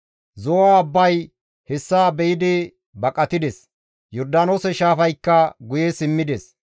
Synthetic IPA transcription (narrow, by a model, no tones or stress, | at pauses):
zɔwaɐbːɐj | hɛsːaːbɛɪd̪ɪ | bɐkʼɐt̪ɪd̪ɛs | jɔɾd̪aːnoːsɛʃaːfɐjkːɐɡʊjɛsɪmːɪd̪ɛs